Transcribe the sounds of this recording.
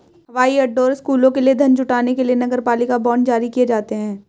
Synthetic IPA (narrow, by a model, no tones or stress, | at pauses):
ɦɐʋaːiɐɖːoːɾɪskuːlõkelied̪ʱɐnt͡ʃʊʈaːnekelienɐɡəɾpaːlɪkabɔːɳd͡ʒaːɾikijed͡ʒaːt̪eɦɛ̃ː